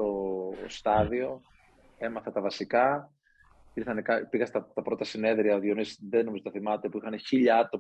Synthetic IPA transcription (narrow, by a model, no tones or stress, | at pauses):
o̞st̪ɐðio̞ | e̞mɐθɐt̪ɐvɐsikɐ | iɾθɐnekɐpiɣɐst̪ɐt̪ɐpɾo̞t̪ɐsine̞ðɾiɐot̪ionisðenomizo̞t̪ɐθimɐt̪epuixɐneçiʎɐt̪o̞